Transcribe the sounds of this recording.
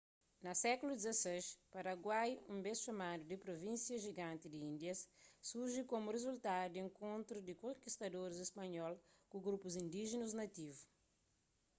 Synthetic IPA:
nɐsɛkulud̪izɐseʃpɐɾɐɡwajũmbesʃɐmad̪ud̪ipɾovĩnsjɐʒiɡãnt̪id̪iĩnd̪jɐsːuɾʒikomurezult̪ad̪ud̪iẽŋkõnt̪ɾud̪ikõŋkist̪ɐd̪oɾizespɐɲɔlkuɡɾupuzĩnd̪iʒinuznɐt̪ivu

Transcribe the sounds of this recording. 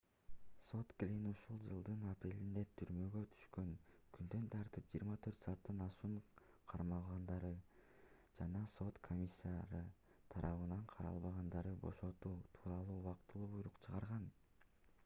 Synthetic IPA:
so̞t̪klʲinuʃulˠd͡ʒɯlˠd̪ɯnɑpɾe̞lind̪e̞t̪ʰyɾmø̞ɡø̞t̪ʰy̥ʃkø̞ŋkʰynd̪ø̞nt̪ʰɑɾt̪ɯp̚d͡ʒiːɾmɑt̪ʰøɾt̪sɑːt̪ːɯnɑʃuɴ | qʰɑɾmɑlˠʁɑnd̪ɑɾɯ | d͡ʒɑnɑso̞t̪kʰo̞mʲisːaɾɯ | t̪ʰɑɾʔɑβɯnɑɴqʰɑɾɑ̰lˠβɑʁɑnd̪ɑɾɯbo̞̰ʃo̞t̪uːt̪ʰuːɾɑlˠuːuwɑqt̪ːɯlˠuːbujɾuqt͡ʃʰɯʁɑɾʁɑn

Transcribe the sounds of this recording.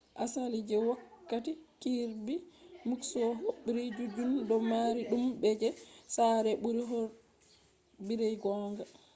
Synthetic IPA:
ʔasalid͡ʒɛwakːatikiɾbimuksɔɦoɓːiɾid͡ʒud͡ʒundɔmaɾiɗumbɛd͡ʒɛsaɾɛɓuɾiɦɔɾ | biɾɛjɡɔŋɡa

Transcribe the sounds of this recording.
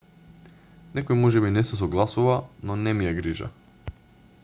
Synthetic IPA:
nɛkojmɔʒɛbinɛsɛs̬ɔɡlˠasuvanɔnɛmijaɡɾiʒa̰

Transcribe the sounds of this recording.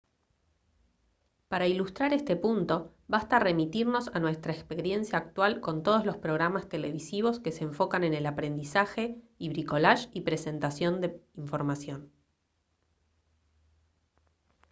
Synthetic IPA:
paɾailust̪ɾaɾest̪e̞punt̪o̞ | βast̪are̞mit̪iɾno̞sanwe̞st̪ɾaekspe̞ɾje̞nsjaːk̚t̪walko̞nt̪o̞ð̞ozlo̞spɾo̞ɣɾamast̪e̞le̞βisiβo̞ske̞se̞ːɱfo̞kane̞ne̞lapɾe̞nd̪isaxe̞ | iβɾiko̞laʃipɾe̞se̞nt̪asjo̞nd̪eiɱfo̞ɾmasjo̞n

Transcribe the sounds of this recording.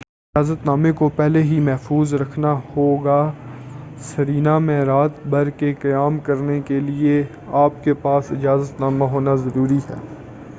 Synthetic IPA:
ɪd͡ʒaːzət̪naːmekopɛɦleɦimɛɦfuːzɾɐkʰnahoːɡaː | sɐɾiːnamẽɾaːt̪bʱɐɾkekɐjaːmkɐɾnekelie | aːp̚kepaːsɪd͡ʒaːzət̪naːmaɦoːnazɐɾuːɾiɦɛ̰ː

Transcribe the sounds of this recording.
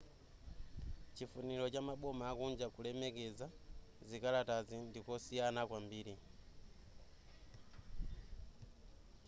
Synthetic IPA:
t͡ʃifunilɔt͡ʃamaɓɔmaːkund͡ʒakulɛmɛkɛzazikalatazindikɔsijanakwambiːɾi

